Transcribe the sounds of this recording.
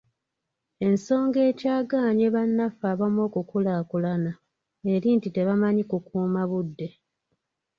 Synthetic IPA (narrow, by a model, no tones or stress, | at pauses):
e̞nso̞ːŋɡe̞ːcaːɡaːɲeβanːafaːβamo̞ːkukulaːkulana | e̞ɾintite̞βamaɲikukuːmaβudːe̞